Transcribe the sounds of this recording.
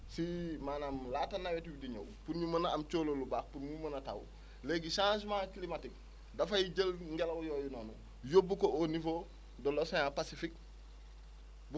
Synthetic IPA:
simanamlatanawetwidiɲo̰wpunmumɐnaːmt͡ʃoːlolubaːk̚punmumɐnata̰w̰ | leɡisãːs̬makilimatik̚ | dafajiɟəlŋɡelawjoːjunoːnu | jobːukoonifo | dolosojapasifik̚ | b

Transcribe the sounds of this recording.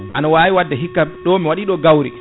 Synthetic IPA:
ʔanawaːjiwadːɛɦikːaɗɔmiwaɗiɗɔɡawɾḭ

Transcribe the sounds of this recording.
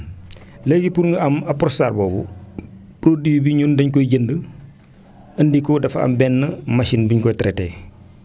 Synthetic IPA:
leɡipuɾŋɡəɐmɐpɾɔstaːɾbɔːbṵ | pɾodijbiɲundɐɲkɔjɟəndə | ɐndikodɐfɐ̰mbɛnːəmɐsinbiɲkɔjtɾeteː

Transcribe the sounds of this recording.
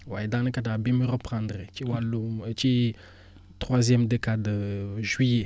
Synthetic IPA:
waed̪ãnə̃kad̪abɛ̃məɾəpχãnd̪ʁet͡ʃewalõt͡ʃe | t̪χwazjɛmd̪ekad̪əʒɥije

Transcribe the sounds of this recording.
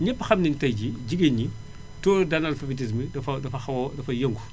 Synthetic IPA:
ɲɛpːɐxɐmnintɐjɟiɟiɡeɲi | tɔːdɐnɐlfɐbit̬is̬midɐfɐdɐfɐxɐwdɐfɐjɐŋɡu

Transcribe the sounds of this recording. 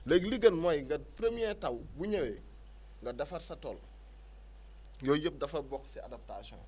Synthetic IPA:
lɛkliɡɐnmɔjŋɡɐpɾemijɛtɐwbuɲɐwɛ | ŋɡɐdɐfɐrsɐtɔːl | jɔjəp̚dɐfɐbɔkːsia̰dɐp̚tasjɔ̰̃

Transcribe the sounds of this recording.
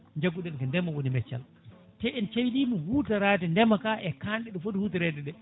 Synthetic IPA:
ɲd͡ʒaɡuɗɛnkandɛmːawonimɛt͡ʃːa̰l | tɛʔɛnt͡ʃewɗiːmihuːtaɾaːt̬ɛndɛmːakaʔɛkanɗɛɗɔfotihutiɾɛːtɛɗɛ

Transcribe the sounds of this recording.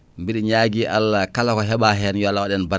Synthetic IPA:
mbiɗiɲaːɡiʔalkalakɔɦɛɓaɦɛnjalːawaɗɛnba

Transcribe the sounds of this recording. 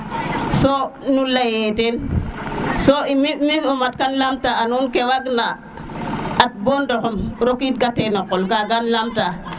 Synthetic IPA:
sonulajeten | soimiminumat̚kanlamtaanunkewaɡna | at̚bondokomɾokit̚ɡatenokolɡaɡanlamta

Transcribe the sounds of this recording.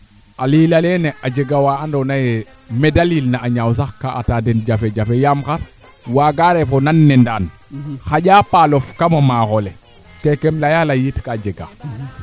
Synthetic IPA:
alilalɛneʔad͡ʒeɡawaandonaje | medaliːlnaʔaɲaws̬axkaʔa̰tadend͡ʒafed͡ʒafejamxaɾ | waːɡaɾefonanːendaːn | xaɟapalofkamamaxole | kekemlajalajitkad͡ʒeɡa̰

